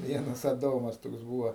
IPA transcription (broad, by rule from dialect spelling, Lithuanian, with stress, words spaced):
ˈʋʲiɛnɐs ɐˈdoːmɐs ˈtoːks ˈbuːʋoː